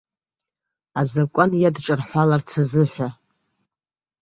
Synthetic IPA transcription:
azakʷʼanjadʈ͡ʂʼɨrħʷalart͡sʰazɨħʷᶣa

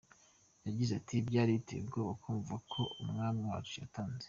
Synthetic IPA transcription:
jaɟizatʰibɟaːɾitḛibɡoːβakʰoːɱvuvakʰo̞umŋaːmiwaːut͡ʃija̰taːnze

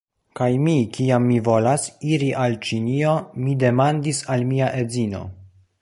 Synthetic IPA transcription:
kajmikiamːivo̞lasiɾiʔalt͡ʃinio̞mide̞mandisalmiaʔe̞d͡zino̞̰

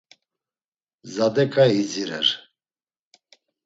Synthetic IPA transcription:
zad̪ɛkʼaiziɾɛ̰ɾ

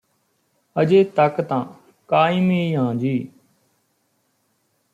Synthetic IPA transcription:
əd͡ʒeːt̪əkt̪ãː | kaːimiiːɦãːd͡ʒiː

